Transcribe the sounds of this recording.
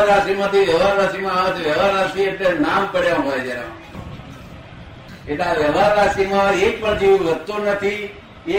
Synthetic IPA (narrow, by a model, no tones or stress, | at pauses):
ɾasimãt̪iʋjəʋaɾɾasimãaãt̪ʰiʋjəʋaɾasieʈlenampəɽjãɦoed͡ʒɛɾa | eʈlaʋjəʋaɾːasimãekpə̃d͡ʒiʋĩʋət̪unət̪ʰi | e